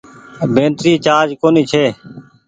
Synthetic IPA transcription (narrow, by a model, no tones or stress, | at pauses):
bʱẽːnt̪ɾiːt͡ʃaːd͡ʒkoːniːt͡ʃʰeː